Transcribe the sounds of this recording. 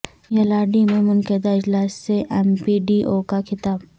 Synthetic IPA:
jɐlaːɖimẽmʊnkəd̪aɪd͡ʒlaːsːeʔɛmpiɖiːʔoːkakʰɪt̪aːb

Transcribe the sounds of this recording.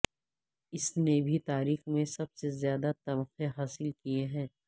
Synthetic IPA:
ɪsnebʱit̪aːɾiːxmẽsɐb̚sezjaːd̪at̪ɐbxeɦaːsɪlkijeɦɛ̃ː

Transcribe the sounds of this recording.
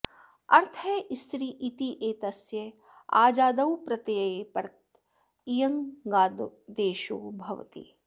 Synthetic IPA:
ɐɾt̪ʰɐʔst̪ɾiːʔit̪iʔeːt̪ɐsjɐ | a̰ːd͡ʒaːd̪ɐwpɾɐt̪jɐjepɐɾt̪ | ijɐŋɡaːd̪d̪eːʃuːbʱɐ̰ʋɐ̰t̪ḭ

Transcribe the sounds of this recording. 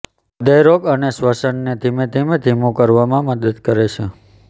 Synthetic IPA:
d̪əjɾoɡənesʋəsəɳned̪ʱimed̪ʱimed̪ʱimõkəɾʋamãməd̪əd̪kəɾet͡ʃʰe

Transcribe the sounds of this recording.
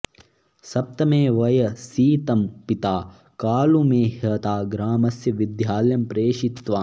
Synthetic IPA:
sɐp̚t̪ɐmeːʋɐjɐsiːt̪ɐmpit̪aː | kaːlumeːhɐt̪aːɡɾaːmɐsjɐʋid̪jaːljɐmpɾeːʂit̪ʋaː

